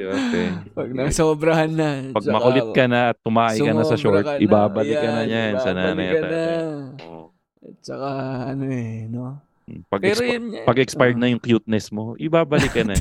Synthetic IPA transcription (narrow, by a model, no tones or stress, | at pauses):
ʔotɛ | ɐɡ̪̚ɐsoːbɾɐhanːɐpɐɡ̚mɐkʊlɪt̪̚kɐnɐʔɐt̪ːʊmaːʔɐjkɐnɐsɐʃoɹʔɪbaːbɐlɪkːɐnɐɲansɐnaːnɐjɐt̪aʔoʔ | t̚t͡ʃɐkaɐnoɛno | pɐɡ̚pjpɐɡʔɛkspajd̪̚nɐjʊŋkjut̪̚nɛsmo̞ʔɪbaːbɐlɪkːɐnɐ